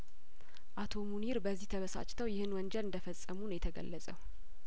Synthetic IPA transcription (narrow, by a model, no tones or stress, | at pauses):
ʔat̪ʰo̞muniɾbəzːiht̪ʰəβəsa̰t͡ʃʼt̪ʰəwjɪhɨnwɔnd͡ʒɛlɨnd̪əfəsʼːəmunjɛt̪ʰəɡə̰lːəsʼə